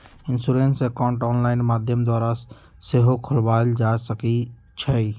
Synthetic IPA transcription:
ɪnsuɾeːnsekaʊ̃ɳʈɔːnlaːɪnmaːd̪ʱjəmd̪waːɾa | seːɦokʰʊlbaːld͡ʒasəki | t͡ʃʰɛi

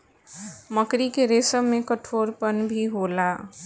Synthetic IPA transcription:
məkɾikeɾeːsəmmẽkəʈʰoːɾpənbʱiɦoːlaː

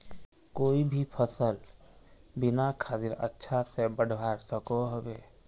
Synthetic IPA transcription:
koːibʱipʰəsəl | bɪnakʰaːt̪ɪɾə̰tːʃʰasebəɽ̤baːɾsəkoɦobeː

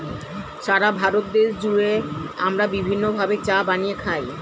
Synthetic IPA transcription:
ʃaɾabʱaɾot̪̚d̪eʃd͡ʑuɾeamɾabibʱinːobʱabet͡ɕabanijekʰaj

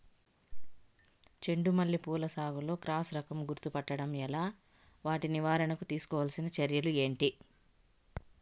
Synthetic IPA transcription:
t͡ʃe̞ɳɖumɐlːipuːlɐsaːɡulo̞ːkɾaːsɾɐkɐmɡuɾt̪upɐʈːɐɽɐmɛlaː | ʋaːʈiniʋaːɾɐɳɐkut̪iːsu̥kɔːʋɐlsinɐt͡ʃɐɾjɐlue̞ːɳʈi

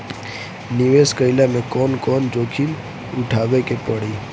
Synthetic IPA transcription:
nɪʋeskəɪlamẽkɔnkɔnd͡ʒoːkʰin | ʊʈʰaːʋekepəɽiː

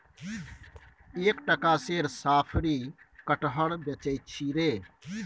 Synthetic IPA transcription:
eːkʈəkaseɾsaːpʰɾi | kəʈɦəɽbjət͡ʃəɪt̪̚t͡ʃʰiɾe

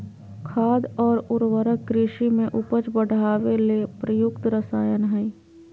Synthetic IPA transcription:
kʰaːd̪ɔːɾʊɾwəɾəkːɾɪʃimẽʔʊpət͡ʃbəɽ̤ʱaːʋelepɾəjʊkt̪ɾəsaːjənɦɛi

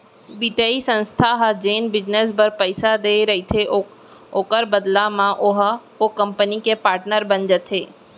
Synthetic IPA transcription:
bit̪jaisə̃nst̪ʰaɦd͡ʒeːnbɪd͡ʒnes̬bəɾpəɪsad̪eɾɐɦit̪ʰeʔ | okəɾbəd̪lamãʔʊɦkokɐ̃mpənikepaːɾʈnəɾbənd͡ʒət̪ʰɦeː

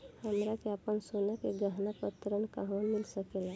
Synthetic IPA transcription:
həmɾakeapəɳsonakeɡəɦnapət̪ɾənkaɦə̃milsəkela

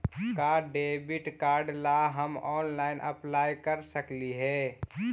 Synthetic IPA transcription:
kaɖeːbɪʈkaːɾɖlaɦəmɔːnlaːɪnʔəplaːjkəɾsəkliɦɛː

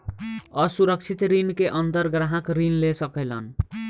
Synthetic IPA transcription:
ʌsuɾʌk̚t͡ʃʰit̪ɾinkeʔʌnt̪ʌɾɡɾaɦãkɾinlesʌkelʌ̰n

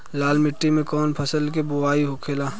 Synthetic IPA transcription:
laːlmɪʈːimẽkɔːnpʰəsəlkebʊaːiɦokʰeːlaː

